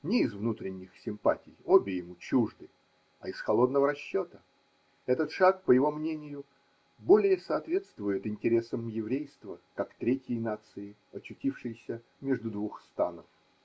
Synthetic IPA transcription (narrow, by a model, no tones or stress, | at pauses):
nʲɪːzvnut̪ɾʲɪnʲːɪxsʲɪmpa̰tʲɪjobʲɪjɪmut͡ɕuʐd̪ɨ | a̰ɪsxɐlˠo̞d̪nəvəɾɐɕːo̞t̪ə | ɛt̪ət̪ʂakpəjɪvo̞mnʲenʲɪjʊ | bo̞lʲɪjəsɐːt̪vʲe̞t̪st̪vʊjɪt̪ɪnʲtʲɪɾʲe̞səmjɪvɾʲejst̪vəkakt̪ɾʲetʲjəjnat̪sɨɪ | ɐt͡ɕːʉtʲifʂɨjsʲə | mʲeʐd̪ʊd̪vuxst̪a̰nəf